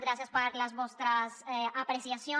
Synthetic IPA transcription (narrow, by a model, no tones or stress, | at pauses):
ɣɾasjaspaɾlazβost̪ɾaseapɾesjasjo